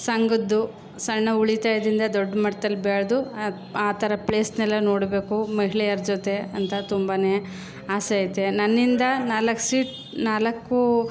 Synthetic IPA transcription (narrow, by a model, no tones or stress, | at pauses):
sɐŋɡud̪ːu | sɐɳːɐuɭit̪aːjɐd̪ɾind̪ɐd̪ɔɖːmɐʈːɐd̪ɐlːbɛɭɐd̪u | aːt̪ʰɐɾɐpɭeːsnɛlːɐnoːɽbeːkumɐɦiɭɛjɐɾd͡ʒot̪e̞ɐnt̪ɐt̪umbaneː | aːsejt̪enɐnːind̪ɐnaːlɐkːsiːʈ | naːlɐkːu